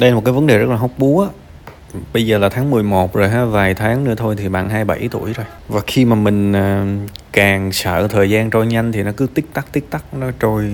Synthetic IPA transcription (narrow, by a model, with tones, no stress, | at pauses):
ɗe˧mo˨˩kaː˨˦və˨˦nɗe˨˩zə˦˥t̚laː˨˩ɦo˦˥wk͡p̚ɓu˨˦əʔaː˧˦ | ɓə˧jzəː˨˩laː˨˩t̪ʰaː˨˦ŋmɨ˨˩əjmo˨˩t̚zo˨˩jɦaː˨˧˩vaː˨˩jt̪ʰaː˨˦ŋnɨ̰˧˥ət̪ʰo˧jt̪ʰi˨˩ɓa̰ː˧˨˩nɦaː˧jɓa̰˧˩jt̪u˧˩əjzo˨˩jvaː˨˩xi˧maː˨˩mï˨˩ŋ̟ʔəː˨˩kaː˨˩ŋsə̰ː˧˨t̪ʰəː˨˩jzaː˧nt͡ɕo˧jɲa˧jŋ̟t̪ʰi˨˩nɔ˨˦kɨ˨˦t̪i˦˥k̚t̪a˦˥k̚t̪i˦˥ək̚t̪a˦˥k̚nɔ˨˦t͡ɕo˧j